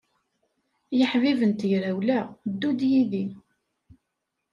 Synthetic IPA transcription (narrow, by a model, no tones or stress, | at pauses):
jəħvivənt̪ʝɾæwlæd̪ːud̪jiði